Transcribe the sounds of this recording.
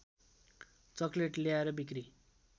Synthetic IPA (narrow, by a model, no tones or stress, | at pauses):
t͡sʌkleʈleaeɾʌbikri